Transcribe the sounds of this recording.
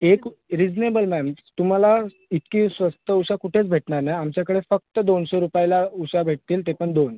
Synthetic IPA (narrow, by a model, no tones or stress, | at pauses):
ekɾid͡ʑnebəlmɛmt̪um̤ala | it̪kiːsʋəst̪əuɕakuʈʰet͡sbʱeʈɳaɾnajamt͡ɕjakəɽefək̚t̪əd̪onsoɾupajlauɕabʱeʈ̚t̪iːlt̪epəɳd̪on